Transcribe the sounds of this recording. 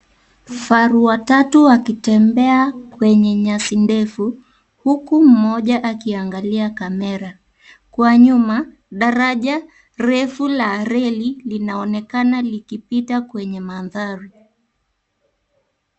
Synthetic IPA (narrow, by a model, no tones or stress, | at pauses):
faɾuatatuwakitɛmbɛakwɛɲɛɲasindɛfu | hukum̩mɔʄaʔakiaŋɡaliakamɛɾa | kwaɲuma | ɗaɾaʄa | ɾɛfulaɾɛlilinaɔnɛkanalikipitakwɛɲɛmaðaɾu